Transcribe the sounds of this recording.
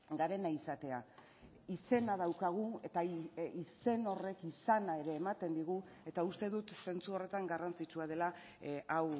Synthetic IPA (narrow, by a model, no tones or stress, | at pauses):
ɡaɾe̞naisat̪e̞a | ise̞nað̞awkaɣ̞ue̞t̪aise̞no̞re̞kisanae̞ɾe̞ːmat̪e̞nd̪iɣ̞ue̞t̪aust̪e̞ðut̪se̞nt͡suo̞re̞t̪aŋɡarant͡sit͡ʃuað̞e̞la | aw